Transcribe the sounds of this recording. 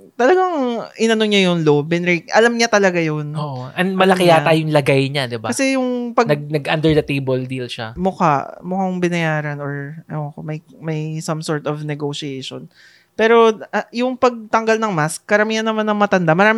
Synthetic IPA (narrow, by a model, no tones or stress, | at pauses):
t̪ɐlɐɡaŋʔɪnɐnoɲajʊŋloːbɛnɾikʔɐlamɲat̪ɐlɐɡajonoʔoʔɐnmɐlɐkɪat̪aːjʊŋlɐɡajɲad̪ɪbakɐsɛjʊŋpɐɡnɐɡ̚nɐɡʔand̪ɛɹd̪ɐt̪ejbold̪iːlʃa̰mʊka̰mʊkaʊŋbɪnɐjaːɾɐnoɹʔɐokomɐj | mɐjsɐmsoɹt̪ɔvnɛɡoʃiejʃo̰n | pɛːɾo̞jʊŋpɐɡ̚t̪ɐŋɡalnɐŋmaskːɐɾɐmiːhɐnːɐmanːɐŋmɐt̪ɐnd̪amɐɾaːmɪ